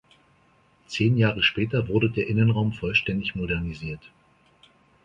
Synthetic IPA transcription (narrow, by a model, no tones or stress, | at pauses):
t͡seːnjaːʁəʃpɛːtɐvʊɐdədeːɐʔɪnənʁaʊmfɔlʃtɛndɪçmodɛɐniziːɐt